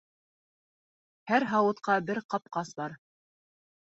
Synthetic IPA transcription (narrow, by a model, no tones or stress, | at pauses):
hæɾɦɑwɤ̆t̪qɑbɘɾqɑp̚qɑsbɑɾ